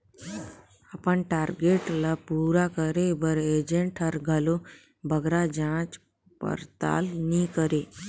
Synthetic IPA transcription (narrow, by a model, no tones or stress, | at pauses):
əpənʈaːɾɡeʈlapuːɾakəɾebəɾeːd͡ʒẽɳʈʰəɾɡʱəlo | bʱəɡɾad͡ʒãːt͡ʃ | pə̰ɾt̪a̰ːlnikəɾe